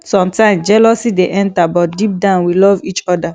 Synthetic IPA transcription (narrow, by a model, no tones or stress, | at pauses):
sɔ̃mtãɪ̃md͡ʒɛlɔsideʔɛ̃ntabɔt̚dip̚dãnwilɔvit͡ʃɔda